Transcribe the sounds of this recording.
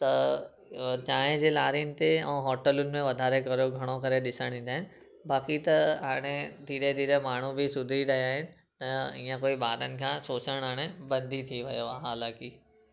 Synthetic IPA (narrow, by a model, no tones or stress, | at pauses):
t̪ɐ | t͡ɕaːɦẽd͡ʑeːlaːɾiənɪ̆t̪eɛ̰̃ːɦɔːʈəlʊnɪ̆mẽʋɐd̪ʱaːɾekɐɾjoɡʱɐɽ̃okɐɾeɗɪsəɽ̃ĩːn̆d̪aːɪnɪ̆ | baːkit̪ɐɦaːɽ̃ed̪ʱiːɾed̪ʱiːɾemaːɳ̤ubʱɪsʊd̪ʱiɾɐiaːɦɪnɪ̆ | t̪ɐĩːãkoːibaːɾənɪ̆kʰãːsoːt͡ɕəɽ̃ɦaːɽ̃ebɐ̃nd̪ʱit̪ʰiʋɐjoɦaːlaːki